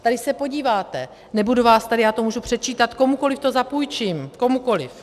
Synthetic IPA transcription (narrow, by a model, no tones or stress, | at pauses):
t̪adɪsɛpo̞ɟiːvaːt̪ɛ | nɛbuduvaːst̪adɪjaːt̪o̞muːʒupr̥ɛt̪̚t͡ʃiːt̪at̪ko̞muko̞lɪft̪o̞zapuːjt͡ʃiːmko̞muko̞lɪf